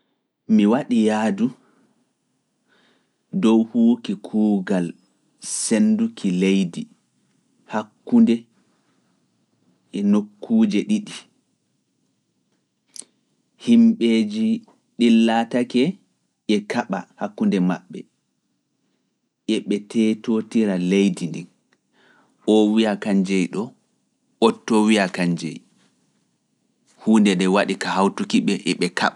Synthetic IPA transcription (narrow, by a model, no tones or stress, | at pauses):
miwaɗijaːdu | dɔwhuːkikʰuːɡal | sendukʰilejdi | hakːundɛ | ɛnokːuːd͡ʒɛɗiɗi | himɓeːd͡ʒi | ɗilːatakɛ | ʔɛkaɓahakːundɛmaɓːɛ̰ | ʔɛɓɛtɛtotiɾalejdindin | ɔwiakaɲd͡ʒɛjɗɔ | ɔtːɔwiakaɲd͡ʒɛj | huːndɛɗɛwaɗikahawtukiɓɛʔɛɓɛka̰ɓa